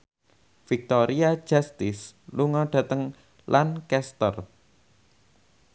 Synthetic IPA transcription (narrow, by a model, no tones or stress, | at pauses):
fik̚t̪oɾiḁd͡ʒast̪ɪsluŋɔɖ̥ä̤t̪əŋ | lʔankɛst̪ər